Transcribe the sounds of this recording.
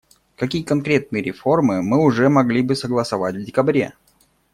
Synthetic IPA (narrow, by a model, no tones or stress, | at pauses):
kɐkʲijəkɐnkɾʲe̞t̪̚nɨjəɾʲɪfo̞rmɨmɨʊʐɛmɐɡlʲibɨsəɡlˠəsɐvatʲvdʲɪkɐbɾʲe̞̰